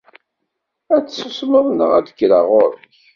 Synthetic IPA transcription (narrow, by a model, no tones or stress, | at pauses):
æt͡sːsəsməðˤnə̰ʁæd̪əkːɾəʁʊɾə̰ç